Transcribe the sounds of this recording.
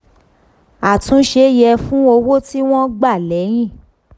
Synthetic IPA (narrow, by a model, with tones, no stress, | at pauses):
a˨tũ˨˦ʃe˧˦jɛ˧fũ˦o˧wo˦ti˦w̃ɔ̃˦ɡ͡ba˦˨lɛ˨˦j̃ĩ˦˨